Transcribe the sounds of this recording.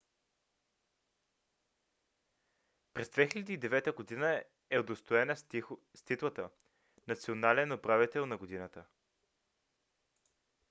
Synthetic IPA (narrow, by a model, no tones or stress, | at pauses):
pɾɛzd̪vɛxilʲɛd̪iːd̪ɛvɛt̪əɡod̪inə | ɛod̪ost̪oɛnəst̪it̪lˠət̪ə | nɐt̪sionalɛnopɾavit̪ɛlˠnɐɡod̪inət̪ə